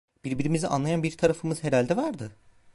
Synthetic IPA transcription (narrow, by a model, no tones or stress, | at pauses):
b̥iɾbiɾimiziʔa̰nlˠajanbiɾt̪ʰaɾafɯmɯz̥ɦe̞ɾalʲd̪ɛvaɾd̪ɯ